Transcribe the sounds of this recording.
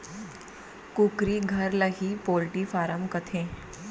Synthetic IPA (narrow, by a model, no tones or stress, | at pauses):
kukɾiːɡʱəɾlaɦiːpolʈiːfaɾəmkət̪ʰẽ